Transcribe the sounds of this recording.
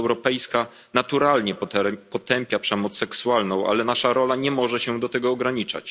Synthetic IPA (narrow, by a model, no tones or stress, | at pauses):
wɾɔpɛjska | nat̪uɾalɲɛpɔt̪ɛmpʲjapʂɛmɔt̪sːɛksualnɔ̃w̃ʔa̰lɛnaʂaɾɔlaɲɛmɔʐɛɕɛd̪ɔt̪ɛɡɔːɡɾaɲit͡ʂa̰t͡ɕ